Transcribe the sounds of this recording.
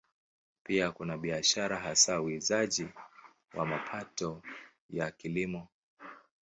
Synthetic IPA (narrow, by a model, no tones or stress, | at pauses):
piakunaɓiaʃaɾaɦasauwizaʄi | wʔa̰mapʰatɔ | jakilimɔ